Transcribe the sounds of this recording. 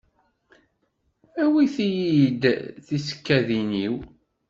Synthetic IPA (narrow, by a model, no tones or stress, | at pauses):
æwiθijid̪θisə̥kːæðiniw